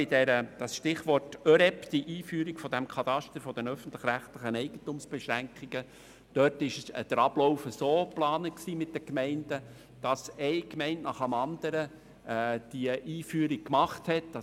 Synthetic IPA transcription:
ɪdɛɾəd̥ɑsʃtɪχʋɔrtøɾɛpd̥iʔiːfyːɾikfɔd̥æmkʰɑt̪ɑʃtəɾfɔd̥ənœfən̩t̪lɪχɾæχtlɪχənɛɪɡ̥əntumsb̥ɛʃɾæŋkχiɡ̥ə | d̥œtɪʃə̰d̥əɾɑb̥lɔwfəsoːplɑːnəksiːmɪt̚d̥əkmɛɪndə | d̥ɑsɛɪkmɛɪntnɑχəmɑnd̥̪əɾə | d̥iəʔiːfyːəɾik̚kmɑχthɛt̚ːɑ

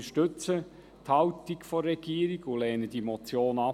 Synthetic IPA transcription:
əʃtʏt͡sə | t̪hɑwtikfɔrːɛɡ̥iːəɾiɡʊlɛːnəd̥imɔt͡sjoːnɑ

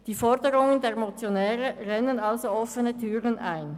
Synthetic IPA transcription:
d̥iːfɔʁdəʁʊŋəndeːɐmot͡sjonɛːʁəʁɛnənalzoɔfənətʰyːʁənʔaɪn

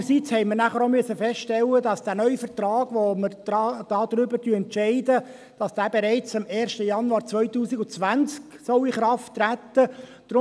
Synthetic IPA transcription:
əsit͡shɛɪməɾnæχəɾomyəsəfɛstʃtɛlədɑsd̥æːnœʏfət̪ɾɑːɡ̥ʋoməɾdɑd̥ɑːd̪̥ɾʏbəɾtyəɛntt͡ʃɛɪdə | d̥ɑsd̥æːbeɾɛɪt͡sɪmɛːɾʃtəjɑnuɑːɾt͡sʋœʏtuːsiɡʊt͡sʋænt͡sksɔʊiχɾɑftːɾæt̪ːə | d̥ɾʊ

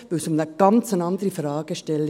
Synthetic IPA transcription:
ʋɪlsʊmnəɡ̥ɑnt͡sənɑnd̪əɾəfɾɑːɡ̥əʃtɛlː

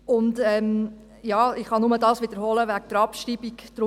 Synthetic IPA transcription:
ʊndɛm | jɑːɪχhɑnʊmədɑːsʋɪd̥̪əɾɦɔləʋæk̚d̥əɾɑpʃɾibikd̥ɾʊ

